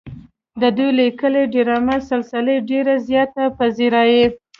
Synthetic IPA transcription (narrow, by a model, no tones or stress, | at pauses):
d̪əd̪ujlikəleɖeɾɑmasɪlsəleɖeɾazjɑt̪apaziɾɑje